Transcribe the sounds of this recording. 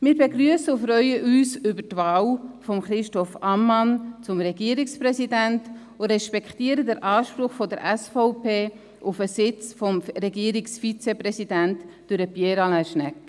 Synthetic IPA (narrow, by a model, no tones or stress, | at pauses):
mɪːɾbeɡɾyəsəʊfɾœʏəʔyːsʏbətvɑːwfɔmχɾɪʃtɔfɑmːɑnt͡sʊmɾɛɡiːəɾikspɾɛsidænt | ʊɾɛʃpɛktiːəɾədəɾʔɑːʃpɾʊχfɔdəɾʔɛsfɔʊpeː | ʔʊfəsɪt͡sfɔmɾɛɡiəɾiksfit͡sɛpɾɛsidæntd̥ʊɾəpjɛɾɑlæʃnɛk